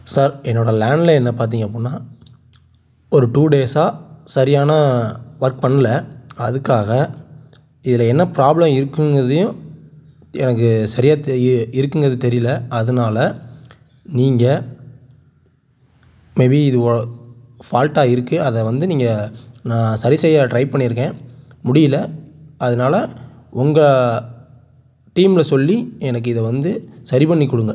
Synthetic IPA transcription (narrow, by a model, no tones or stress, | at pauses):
saːɾɛnːoːɽɐlaːɳɖlɐɛnːɐpaːɾt̪̬iːŋɡɐp̬ːonːaː | ɔɾɯʈuːɖeːsaːsɐɾɪjaːnɐʋɐɾk̚pɐɳːɐlɐɐðɯkːaːɣɐ | ɪðɪlɐɛnːɐpɪɾaːblɐmɪɾɯkːɯŋɡɾɐðɯjʊ̃ | ɛ̰nɐkːɯsɐɾɪjaːt̪ɪɾɯkːɯŋɡɐɾɐðɯt̪ɛɾɪjlɐʔɐðɐnaːlɐ | niːŋɡɐ | mebiɪðɯɔ | faːlʈaːɪɾɯkːɯɐðɐʋɐnd̪ɯniːŋɡɐnãːsɐɾɪsɐjaʈɾɐɪpɐɳːɪɾɯk̬ːẽːmʊɽɪjɪlɐɐðɐnaːlɐ | ʔʊŋɡɐ | ʈiːmɪlɐsɔlːiɛnɐk̬ːɯɪðɐʋɐnd̪ɯsɐɾɪpɐɳːikːɔɽɯŋɡɐ